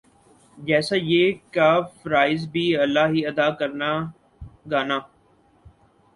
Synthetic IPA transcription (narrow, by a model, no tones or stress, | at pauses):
d͡ʒɛːsaːjeːkaːfɾaːɪzbʱiːɐlːaːɦiɐd̪aːkəɾna | ɡaːnaː